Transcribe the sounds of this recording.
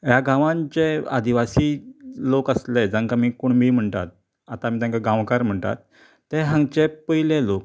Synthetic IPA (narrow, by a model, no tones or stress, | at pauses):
jaɡãʋãɲt͡ɕea̰d̪iʋasiːlokəsled͡zãŋkamiːkoɳmiːm̤əɳt̪a̰t̪̚ | at̪amiːt̪jãkaɡãʋkaɾm̤əɳt̪a̰t̪̚ː | eɦãŋt͡ɕepəilelok̚